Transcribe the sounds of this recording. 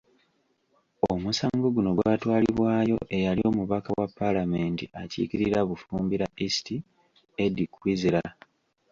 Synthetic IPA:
omusaːŋɡoɡuno̞ɡwaːtwaːliβwaːjo̞̰ʔe̞jalio̞ːmuβakawapːalame̞ntiʔacḭkiɾiɾaβufuːmbiɾaʔisi̥ti | edikwiziɾa

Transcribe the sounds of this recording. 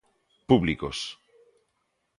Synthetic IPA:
puβlikos

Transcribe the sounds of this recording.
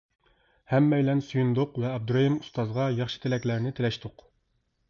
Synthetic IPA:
hɛmːɛjlɛnsujund̪ʊqvɛɑb̚d̪uɾɑimust̪ɑzʁɑjɑχʃɨ̥t̪ʰelɛkʲlæɾnɪt̪ʰelɛʃt̪ʰʊq

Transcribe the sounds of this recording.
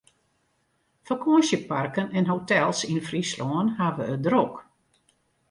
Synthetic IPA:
fəkʰɔəsjəparkənɛnɦotɛlˠsinfrislɔənhaʋəədrok

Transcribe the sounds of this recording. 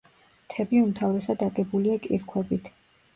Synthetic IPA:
t̪ʰɛbiumt̪ʰavɾɛsad̪aɡʼɛbuliakʼḭɾkʰwɛbit̪ʰ

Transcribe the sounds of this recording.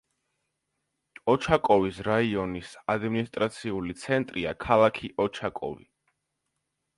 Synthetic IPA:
ɔt͡ʃʰakʼɔvisɾaiɔnisad̪minist̪ʼɾat̪sʰiulit̪sʰɛnt̪ʼɾiakʰalˠakʰiʔɔt͡ʃʰakʼɔ̰vḭ

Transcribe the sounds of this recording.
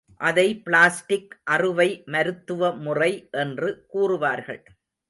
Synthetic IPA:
ʔɐðɐɪpɭaːsʈɪkʔɐrɯʋɐɪmɐɾɯt̪ːɯʋɐmʊrɐɪʔɛndrɯkuːrɯʋaːɾɣɐ̰ɭ

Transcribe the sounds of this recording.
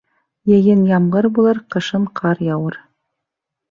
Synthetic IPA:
jɘ̆jɘnjɑmʁɤɾbulˠɤɾqɤ̆ʃɤmqʰɑɾjɑwɤɾ

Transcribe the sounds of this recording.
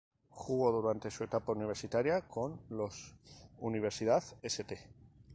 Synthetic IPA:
xuɣoðuɾant̪e̞sue̞t̪apauniβ̞e̞ɾsit̪aɾjako̞nlosuniβ̞e̞ɾsiðaθeset̪e

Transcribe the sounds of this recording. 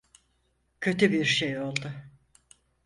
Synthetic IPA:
cʰø̞t̪ybiɾʃejo̞lˠd̪ʊ

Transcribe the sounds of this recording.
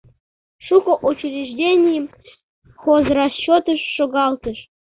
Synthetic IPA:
ʂukŏʔut͡ɕrʲiʐdʲenʲijəm | xozrɑɕːot̪əʃːoɣɑlˠt̪əʃ

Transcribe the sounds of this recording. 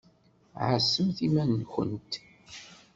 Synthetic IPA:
ʕasːəmθimænːxə̰nt̪

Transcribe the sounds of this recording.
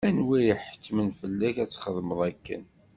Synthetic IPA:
ænwæjəħə̥tːmənfəlːæçæt͡sːχəðˤməðˤækːə̰n

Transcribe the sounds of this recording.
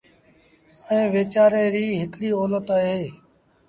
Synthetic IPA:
ẽːʋeːt͡ʃaːɾeːɾiːɦɪkɽiːɔːlət̪aɦeː

